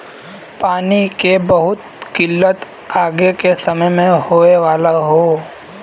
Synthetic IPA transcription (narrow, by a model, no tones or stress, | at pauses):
paːnikebɐɦʊt̪ | kɪlːət̪ | aːɡekesɐməjmẽhoːeʋaːlaɦoː